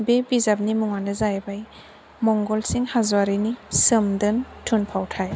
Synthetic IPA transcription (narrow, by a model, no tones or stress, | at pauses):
bebizab̚nimuŋandɐzajbaj | mɔŋɡɔlsiŋhazuwaɾinisɯmdɯntʰunpʰawtʰaj